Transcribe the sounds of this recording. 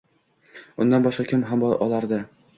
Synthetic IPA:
ʊnd̪anbɒʃqɑkʲʰɪmɦambʔɒlˠaɾd̪ɪ

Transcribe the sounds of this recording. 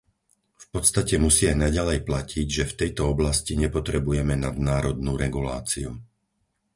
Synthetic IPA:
fpɔt̪st̪acɛmusiajnaɟalɛjplaciɟʒɛft̪ɛjt̪ɔɔblasciɲɛpɔt̪ɾɛbujɛmɛnad̪̚naːɾɔd̪nuːɾɛɡula̰ːt͡siṵ

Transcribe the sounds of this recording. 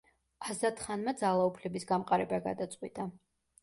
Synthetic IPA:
azat̪ʰʼχanmad̪zalˠaupʰlɛbisɡamqʼaɾɛbaɡa̰d̪at̪sʼqʼwit̪ʼa

